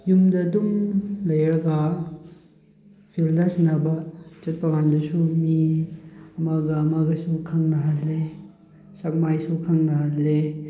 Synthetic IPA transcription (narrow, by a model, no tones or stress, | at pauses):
jumdɐːdumlɐjɾɐɡa | pʰildɐsnɐbɐt͡ʃɐt̚pɐmandɐsumi | ɐmaɡɐːmaɡɐsukʰɐŋnɐɦatle | sɐk̚majsukʰɐŋnɐɦale